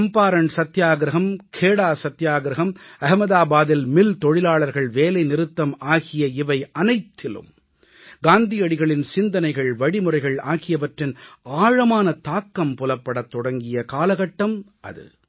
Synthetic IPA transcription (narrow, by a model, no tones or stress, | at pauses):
sɐmpaːɾɐɳsɐt̪ːjaːɡɾɐɦɐmkʰeːɽaːsɐt̪ːjaːɡɾɐɦɐmɐɦɐmɐðaːbaːðɪlmɪlt̪ɔɻɪlaːɭɐɾɣɐɭʋeːlɐɪnɪɾɯt̪ːɐmaːɣɪjɐɪʋɐɪʔɐnɐɪt̪ʰːɪlɯ̰m | ɡaːnd̪ɪjɐɽɪɣɐɭɪnsɪnd̪ɐnɐɪɣɐɭʋɐɽɪmʊɾɐɪɣɐɭa̰ːɣɪjɐʋɐʈrɪnaːɻɐmaːnɐt̪aːkːɐmpʊlɐpːɐɽɐt̪ːɔɽɐŋɡɪjɐkaːlɐɣɐʈːɐmʔɐ̰ðɯ̰